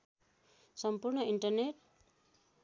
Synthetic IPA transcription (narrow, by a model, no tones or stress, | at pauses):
sʌmpurnʌiɳʈʌrneʈ